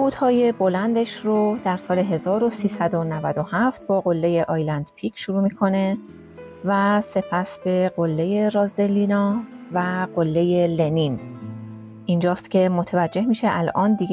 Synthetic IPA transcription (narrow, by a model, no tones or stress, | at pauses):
uːd̪̥hɒːje̞bo̞lænd̪eʃrod̪̥æɾsɒːle̞ɦe̞zɒːɾo̞siːsæd̪o̞nævæd̪o̞hæft̪̚bɒːɣo̞lːe̞je̞ʔɒjlænd̪̥pʰicʰʃuɾuːmiːkʰo̞ne̞ | væse̞pʰæsbe̞ɢo̞lːe̞je̞ɾɒːzd̪e̞lːinɒvæɢolːe̞je̞le̞nin | ʔind͡ʒɒːst̪cʰe̞mot̪ʰevæd͡ʒːe̞hmiːʃeʔælʔɒːnd̪iɡ